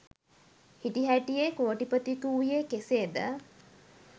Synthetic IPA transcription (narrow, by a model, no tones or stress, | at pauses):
hiʈiɦæʈijekoːʈipət̪ikuwijekeseːd̪ə